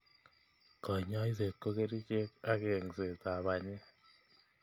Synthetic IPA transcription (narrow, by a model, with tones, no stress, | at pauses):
kɔ˨ɲa˦i˦se˨kːo˦ke˦ɾi˦t͡ʃe˦ka˦ke˨ŋse˨ta˨βa˨ɲe˦